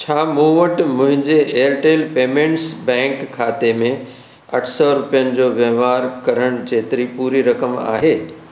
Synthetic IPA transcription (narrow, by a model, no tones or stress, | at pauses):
t͡ɕʰaːmũʋəʈmʊ̃ɦɪ̃ɲd͡ʑeeːəɾʈeːlpeːmẽːɳʈsbɛ̃ːŋkʰːaːt̪emẽ | ɐʈʰsɔɾʊpijənɪ̆d͡ʑoːʋjɐʋaːɾkɐɾəɽ̃d͡ʑeːt̪ɪɾipuːɾiɾɐkəma̰ːɦeː